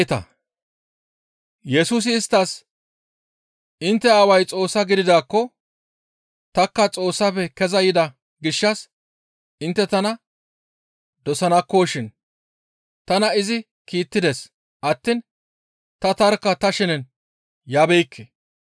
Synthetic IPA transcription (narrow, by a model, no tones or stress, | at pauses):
t̪ɐ̰ | jɛsuːs̬ɪːst̪ːɐs | ɪnt̪ːɛaːwɐjt͡sʼo̞ːsːɐɡɪd̪ɪd̪aːkːɔ | t̪ɐkːɐt͡sʼo̞ːsːɐpɛkɛzɐjɪd̪ɐ | ɡɪʃːɐs | ʔɪnt̪ːɛt̪ɐnɐ | d̪ɔsɐnɐkːo̞ːʃɪn | t̪ɐnɐɪzɪ | kiːt̪ːɪd̪ɛs | ʔɐt̪ːɪn | t̪ɐt̪ɐɾkːɐt̪ɐʃɪnn | jaːbɛjkːɛ